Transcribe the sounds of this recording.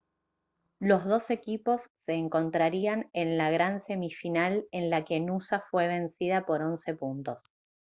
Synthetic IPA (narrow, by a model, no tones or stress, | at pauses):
lo̞zðo̞se̞kipo̞sːe̞ːŋko̞nt̪ɾaɾianenlaɣɾanse̞mifinale̞nlake̞nusafwe̞β̞e̞nsiðapo̞ɾo̞nse̞punt̪o̞s